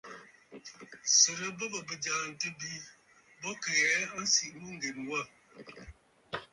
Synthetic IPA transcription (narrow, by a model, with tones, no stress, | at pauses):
sə˨ɾə˨˦bə˦bə˨bə˨d͡ʒa˨n̩˨tə˦bi˦ | bɔ˦kə˨jɛ˨˦a˦n̩˦si˨ʔmu˦ŋ̩˦ɡe˨mwa˦˨